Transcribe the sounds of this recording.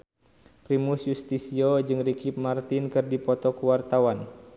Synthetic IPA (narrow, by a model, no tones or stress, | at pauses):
pɾimusjust̪isiod͡ʒɨŋrikip̚mart̪inkɨrdipɔt̪ɔkuwart̪awan